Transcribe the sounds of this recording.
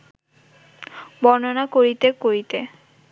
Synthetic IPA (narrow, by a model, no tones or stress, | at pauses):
bɔnonakoɾit̪ekoɾit̪e